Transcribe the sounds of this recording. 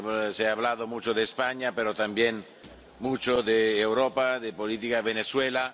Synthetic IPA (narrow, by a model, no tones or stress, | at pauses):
seaβlaðomut͡ʃoðeːspaɲapeɾot̪ambjen | mut͡ʃoðeːwɾopaðepolit̪ikaβeneswela